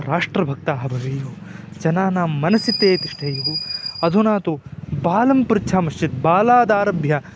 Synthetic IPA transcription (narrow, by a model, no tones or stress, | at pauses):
ɾaːʂʈɾɐbʱɐk̚t̪aːɦɐbʱɐʋiːjuːd͡ʒɐnaːnaːmːɐnɐsit̪ːeːt̪iʂʈʰejuɐd̪ʱunaːt̪ubaːlɐmpuɾt͡ʃʰaːmɐʂt͡ʃit̪̚baːlaːd̪aːɾɐbʱjɐ